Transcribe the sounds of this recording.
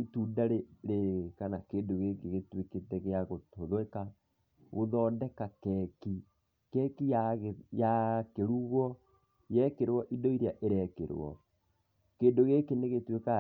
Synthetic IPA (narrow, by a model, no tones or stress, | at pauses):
tudaɾeɾeɣkanakeːndoɣekeɣetweketɛɣeaɣotoðoɛka | ɣoðɔːdɛkakɛki | kɛkijajakeɾuɣwɔ | jɛkeɾwɔʔidɔiɾeaʔeɾɛkḛɾw̰ɔ̰ | keːndoɣekeneɣetweka